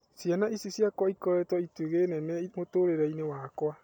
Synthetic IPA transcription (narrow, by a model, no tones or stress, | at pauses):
sjanaisisjakwaikɔɾɛtwɔitweɣenɛnɛimotoɾeɾɛinewakwa